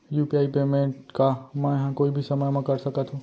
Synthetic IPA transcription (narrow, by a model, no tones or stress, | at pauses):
juːpiaːipeːmẽɳʈkamə̃ɦãkoːibʱisɐməjmãkəɾsəkət̪ʰũ